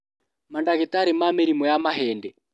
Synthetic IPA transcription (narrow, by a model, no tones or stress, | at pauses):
mandakɛtaɾɛmameɾimɔjamaɦɛndɛ